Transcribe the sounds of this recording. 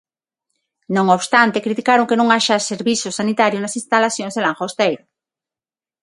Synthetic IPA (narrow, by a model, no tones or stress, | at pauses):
nõŋoβst̪ant̪ekɾit̪ikaɾoŋkenõŋaʃaseɾβisosanit̪aɾjonasĩnst̪alaθjõŋzðelaŋxost̪ejɾo